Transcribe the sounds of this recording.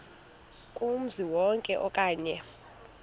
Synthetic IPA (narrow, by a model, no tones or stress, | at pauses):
kʼum̩ziwɔŋkʼɛʔɔkʼaːɲɛ